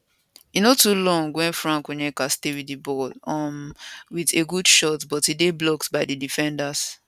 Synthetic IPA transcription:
inotulɔ̃ŋɡwɛ̃nfɹãŋkonɛkastewiibɔlɔmwideɡudʃɔtbɔtideblɔktbaɪdidifɛ̃ndas

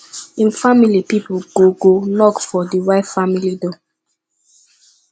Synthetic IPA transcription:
ĩnfamilipipuɡoɡonɔkfɔdiwaɪtfamilido

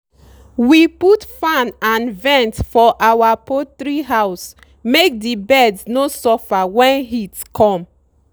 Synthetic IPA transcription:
wiputfãnãnvɛ̃ntfɔʔawapotɹiɦaʊs | mek̚dibɛdsnosɔfawɛ̃nɦitkʰɔ̃m

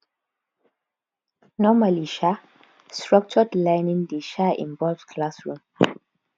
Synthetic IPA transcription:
nɔmaliʃa | stɹɔk̚t͡ʃɔdlaɪnĩndiʃaḭ̃nbɔlvskʰlasɹũm

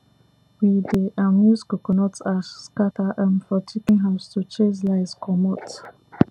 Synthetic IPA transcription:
wideʔamjuzkokɔnɔtasskatʰaʔãnfɔtʰikĩŋɦaʊstut͡ʃeslaɪskʰɔmɔt

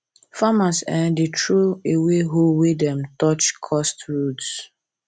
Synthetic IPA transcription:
famasɛ̃ndetʰɹoeweɦowedɛ̃mtɔt͡ʃkʰɔstɹuts

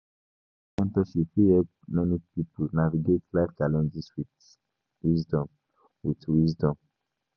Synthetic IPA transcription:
ɛ̃ntɔʃifiɛd | mɛnipipunaviɡetlaft͡ʃalɛ̃nd͡ʒiswit | wisdɔ̃m | witwisdɔ̃m

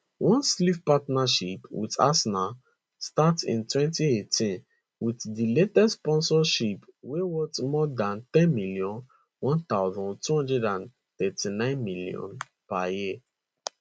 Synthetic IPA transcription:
wʔɔ̃nslifpatnaʃipwḭda̰sna | statḭ̃ntwɛ̃ntietʰĩn | witdiletɛsspɔ̃nsɔʃipwewɜtmɔdãnt̪ɛ̃nmiliɔ̃n | wɔ̃nt̪aʊzɔ̃ntuhɔ̃ndɹɛdãn | t̪ɛtinãɪ̃nmilḭɔ̰̃n | paji

